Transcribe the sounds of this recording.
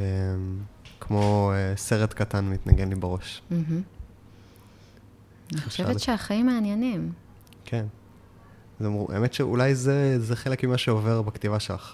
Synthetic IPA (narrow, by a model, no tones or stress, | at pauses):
emkʰmo̞ese̞ʁet̪katanmit̪naɡe̞nlibeʁo̞ʃm̩ɦm̩ | aniχo̥ʃeveʃeaχaimːeanjenim | kʰen | zmʁuʔa̰emetʃeʔṵlajzezeχelekmimaʃeove̞ʁbaktivaʃela̰χ